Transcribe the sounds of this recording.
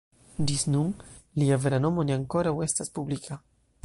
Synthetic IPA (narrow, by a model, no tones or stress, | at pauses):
diznuŋliaveɾanomoniaŋkoɾawest̪aspublikʰa